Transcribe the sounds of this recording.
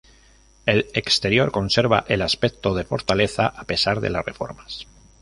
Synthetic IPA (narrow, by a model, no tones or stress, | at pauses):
e̞lekst̪e̞ɾjo̞ɾko̞nse̞ɾβaʔe̞laspe̞k̚t̪o̞ð̞e̞fo̞ɾt̪ale̞θaʔape̞saɾðela̰sre̞̰fo̞̰ɾmas